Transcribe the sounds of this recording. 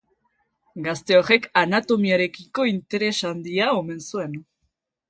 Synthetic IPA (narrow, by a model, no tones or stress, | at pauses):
ɡast̪e̞ore̞kanat̪o̞miaɾe̞kiko̞int̪e̞ɾe̞sand̪iao̞me̞nsue̞n